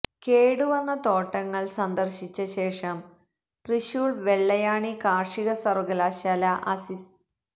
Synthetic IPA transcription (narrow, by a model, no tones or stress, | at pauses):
keːɽuʋɐnːɐt̪o̞ːʈːɐŋːɐɭsɐnd̪ɐrɕit͡ɕːɐɕe̞ːʂɐm | t̪riɕjuɭʋeɭːɐjaːɳikaːrʂiɣɐsɐrɡɐlaːɕaːlɐʔɐ̰sis